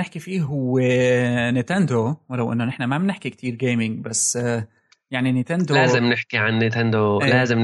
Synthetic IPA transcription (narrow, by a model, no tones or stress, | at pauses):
neħkifiːɦʊwːenet̪ænd̪owɑɾˤɑwʔɪ̰nːonɪħnæmæbnɪħkik̚t̪ʰiːɾɡeːmɪŋbæsː | jaʕninet̪end̪olæːzɪmneħkiʕanːet̪end̪oʔlæːzɪm